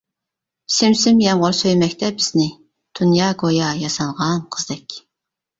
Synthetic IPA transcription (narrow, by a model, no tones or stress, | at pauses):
sɪmsɪmjɛmʁʊɾsøjmɛkʲt̪ʰɛbɪz̥nɪ | d̪̥unjɑːɡojɑjɑsɑɴʁɑnqʰəzd̪ɛkʲ